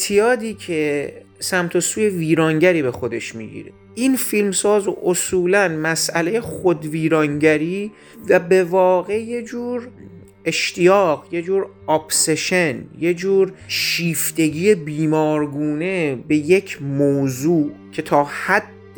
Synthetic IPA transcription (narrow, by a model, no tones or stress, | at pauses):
t̪ʰijɒːd̪iːcʰe | sæmt̪ʰosuːje̞viːɾɒːŋɟæɾiːbe̞xo̞d̪e̞ʃmḭːɟḭɾḛ | infilmsɒːzʔosuːlænmæsʔæle̞jeχod̪viːɾɒːŋɟæɾiː | væbe̞vɒːɣe̞je̞d͡ʒuːɾ | e̞ʃt̪ʰijɒːɣje̞d͡ʒuːɾ | ɒːbse̞ʃenje̞d͡ʒuːɾʃiːft̪e̞ɟijebiːmɒːɾɡuːne̞be̞je̞cʰmoːzuːcʰe̞t̪ʰɒːhæd̪̥ː